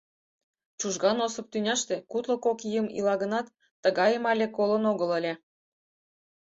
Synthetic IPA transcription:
t͡ɕuʒɣɑnosɤ̆p̚t̪ynʲɑʃt̪ekut̪lŏkokijəmḭlɑɣə̆nɑt̪ː | əɣɑjəmɑlʲekolənoɣə̆lə̆lʲĕ

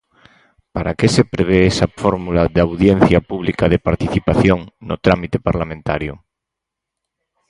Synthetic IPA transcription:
paɾakesepɾeβ̞eesafoɾmulaðawðjen̟θjapuβlikaðepaɾt̪iθipaθjoŋno̰t̪ɾamit̪epaɾlamẽnt̪aɾjo

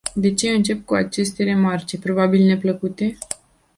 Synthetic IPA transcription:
d̪e̞t͡ʃe̞ɨnt͡ʃe̞p̚kuat͡ʃe̞st̪e̞ɾe̞mart͡ʃe̞pɾo̞babilne̞pləkut̪e̞

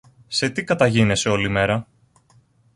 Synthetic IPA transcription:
se̞t̪ikɐt̪ɐʝine̞se̞o̞lime̞ɾɐ

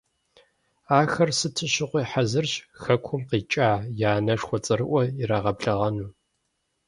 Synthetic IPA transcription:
aːxɐrsɨtʰɨɕɪqʷiːħazɨrɕxɐkʷʰʊmqiːt͡ʃʼaːjaːnɐʂxʷɔt͡sʼɨrɨʔʷɔiɾaːʁɐbɮɐʁɐnuː

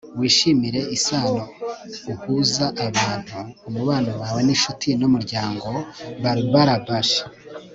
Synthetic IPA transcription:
wiːʃimiɾe̞isaːnouhuzaʔaβaːn̥huːmuβaːnowaːwe̞niʃutʰinomuɾɟaːŋɡo̞βaɾiβaɾabaʃḁ

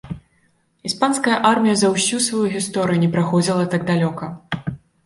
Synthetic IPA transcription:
ispanskɐjɐʔarmʲijɐzɐwsʲusvajuɣʲist̪ɔɾɨjunʲɛpɾaxɔd͡zʲilˠɐt̪aɡ̚d̪alʲɔkɐ

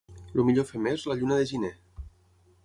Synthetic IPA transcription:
lumiʎofemezlaʎunəðeʒine

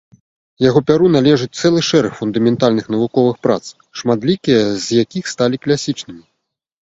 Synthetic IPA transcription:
jaɣɔpʲaɾun̪alʲɛʐɨt͡sʲt̪sɛlˠɨʂɛɾɐxfund̪ɐmʲɛnt̪alʲnɨxnɐvukɔvɨxpɾa̰t̪s | ʂmat̪lʲikʲijɐzʲjakʲixst̪alʲiklʲasʲit͡ʂnɨmʲi

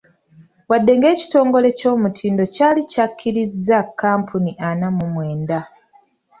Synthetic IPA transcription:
wadːe̞ŋɡe̞ːci̥to̞ːŋɡo̞le̞co̞ːmutʰiːndo̞caːlicakːiɾizːakːaːmpuniʔanamumwe̞ːnda

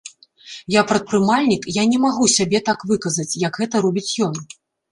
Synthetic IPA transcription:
japɾɐt̪̚pɾɨmalʲnʲikjanʲɛmaɣusʲabʲɛt̪akvɨkɐzɐt͡sʲjɐkɣɛt̪ɐɾɔbʲit͡sʲjɔn

